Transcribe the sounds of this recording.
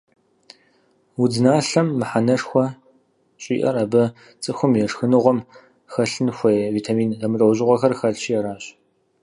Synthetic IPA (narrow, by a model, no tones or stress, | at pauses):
wʊd͡zɨnaːɬɐmːɨħanɐʂxʷɔ | ɕʼḭːʔɐ̰rabɐ | t͡sʼɨxʷʊmjɛʂxɨnɨʁʷɔm | xɐɬɨnxʷɐjviːtʰamiːnzɐmɨtʼɐwʑɪʁʷɔxɐrxɐɬɕijɛɾaːɕ